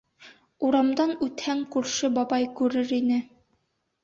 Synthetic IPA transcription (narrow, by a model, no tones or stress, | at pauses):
uɾɑmd̪ɑnʉt̪hæŋkʉɾʃɘbɒbɑjkʉɾɘɾinɘ